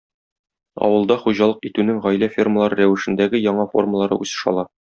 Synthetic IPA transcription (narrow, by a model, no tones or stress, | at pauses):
ɒ̰wɤ̆lˠd̪ɑχuʑɑlˠɤqit̪ʉnɘŋʁɒjlæfʲirməlˠɑɾɤɾæwɘ̆ʃɘ̆nd̪æɡɘjɒɴɑfo̞̰rməlˠɑɾɤ̰ʔusɤ̥̆ʃɒ̰lˠɑ